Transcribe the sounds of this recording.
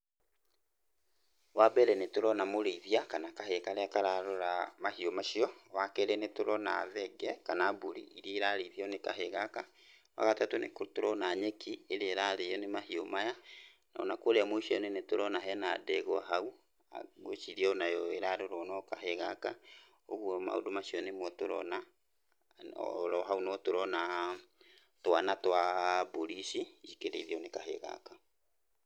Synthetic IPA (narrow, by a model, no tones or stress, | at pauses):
wabɛɾɛnetoɾɔnamoɾeiðiakanakahekaɾeakaɾaɾoɾamahiomaʃiɔwakeɾɛnetoɾɔna̰ðɛɡɛkanabuɾḭiɾiɾaɾeiðiɔnekaɦeɣaka | wa̰ɣatatonḛkotoɾɔnaɲekieɾeeɾaɾejɔnemahiomaja | na̰o̰nakwoɾeamoiʃiɔnenetoɾɔnaɦɛnadɛɣwa̰ɦau | a̰ɣoʃiðiaɔnajɔeɾaɾoɾɔnɔkaɦeɣaka | oɣwɔma̰o̰domaɕiɔnemwɔtoɾɔ̰na | ɔ̰ɾɔɦaunɔtoɾɔna | twanatwaboɾisiikeɾḛðiɔnekaɦḛɣa̰ka